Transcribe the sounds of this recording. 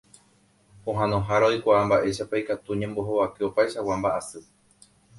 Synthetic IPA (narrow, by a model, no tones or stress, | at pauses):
õɦãnõɦaɾaojkʷaʔambaʔe̞ʃapaikat̪uɲẽmbo̞ɦoβakeopaeʃawambaʔasɨ